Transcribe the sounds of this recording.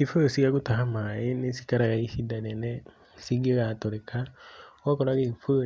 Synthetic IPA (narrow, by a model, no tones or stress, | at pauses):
ifosiakutaɦamajenisi̥kaɾaɣaihidanenɛ | siɡeɣatoɾekawakɔɾaɣefo